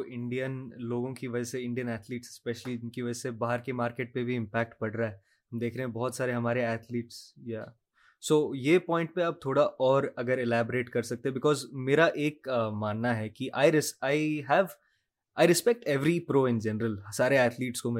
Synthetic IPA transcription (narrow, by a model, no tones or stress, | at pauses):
oʔɪ̃ɳɖijənloːɡõkiʋɐd͡ʒɛseɪ̃ɳɖijənɛːt̪ʰliːʈsspɛʃəlid͡ʒɪnkiʋɐd͡ʒɛsebaːɦəɾkemaːɾkeːʈ̚pebʱiɪ̃mpɛːk̚ʈpɐɽɾaɦɛ | ɦɐmd̪eːkʰɾeɦɛ̃bɔːt̪saːɾeɦɐmaːɾeɛːt̪ʰliːʈsjaː | soːjepɔ̃ːɪ̃ɳʈ̚peaːp̚t̪ʰoːɽaʔɔːɾɐɡəɾɛlɛːboɾeːʈkɐɾsɐk̚t̪eɦɛ̃bɪkɔːzmeːɾaʔeːkmaːnːaɦɛkiʔaːɪɾɪaːiɦɛʋ | aːɪɾɪspɛk̚ʈɛʋɾipɾoːɪ̃nd͡ʒɛnɾəlsaːɾeɛːt̪ʰliːʈskom